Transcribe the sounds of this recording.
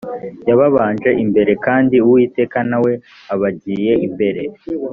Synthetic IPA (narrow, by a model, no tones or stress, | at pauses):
jaβaβaːnʒe̞ʔimbe̞ɾe̞kaːndiuwiːte̞ːkanawe̞ | aβaɟiːje̞imbe̞ɾe̞